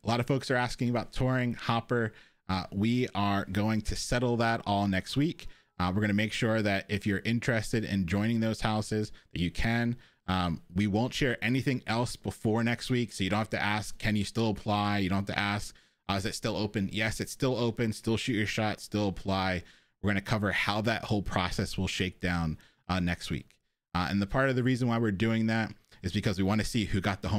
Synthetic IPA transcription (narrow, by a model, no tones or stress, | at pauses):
əlɑɾʌv̥foʊksə˞æskɪ̃ŋəbaʊtʰɔɹɪ̃ŋhɑpə˞ | wiə˞ɡoʊɪ̃ŋtʰɨsɛɾl̩ˠðəɾɔlˠnɛkst̚wik | wəɹɡʌnɨmeɪkʃʊɹðɨɾɪfjə˞ʔɪ̃nt͡ʃɹ̥ɨstɨɾɪ̰̃nd͡ʒɔ̃ɪ̃ñɪ̃ŋðoʊz̥haʊsɪzðɨt͡ʃɨkʰɨ̃n | wiwõʊ̃ntʃɛɹʔɛniθɪ̃ŋɛlˠsb̥əfɔɹnɛkst̚wiksoʊjɨõʊ̃nhæaftʰɨ̰ʔæskʰːɨ̃njɨstɪlˠəpʰl̥aɪjɨdõnhæatʰɨ̰ʔæsk̚ | ɨzɨtstɪlˠoʊpɨ̃njɛsɨtstɪlˠoʊpɨ̃nstɪlˠʃʉt͡ʃə˞ʃɑtstɪlˠəpʰl̥aɪ | wɨɹɡʌ̃nɨkʰʌvə˞haʊðɨʔ̚hoʊlˠpʰɹ̥ɑsɛswəlˠʃeɪk̚d̥ãʊ̃n | nːɛkst̚wḭk | ɨ̰̃nðəpʰɑɹɾʌvðɨɹizɨ̃n̩waɪwɨɹdʉɪ̃ŋðæɾɨzbɨkʰʌzwiwɑ̃ñɨsihʉɡɑt̪̚ðəhõ